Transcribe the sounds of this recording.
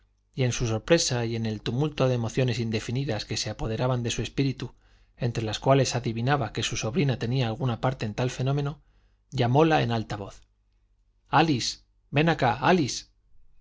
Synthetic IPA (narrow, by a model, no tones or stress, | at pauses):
ie̞nsuso̞ɾpɾe̞saje̞ne̞lt̪umult̪o̞ðe̞ːmo̞θjo̞ne̞sind̪e̞finiðaske̞se̞apo̞ð̞e̞ɾaβand̪e̞sue̞spiɾit̪u | e̞nt̪ɾe̞laskwale̞saðiβinaβake̞suso̞βɾinat̪e̞niaːlɣunapaɾt̪eːnt̪alfe̞nõ̞mẽ̞no | ʎamo̞lae̞̰nalt̪aβ̞o̞θ | alis | be̞nakaalis